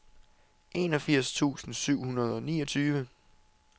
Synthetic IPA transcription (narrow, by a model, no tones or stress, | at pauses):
ʔe̝nɒ̽fiɐ̰st͡sʰṵːsn̩syʊ̰hunɐð̞ˠɒ̽niːɒ̽t͡sʰyːʋə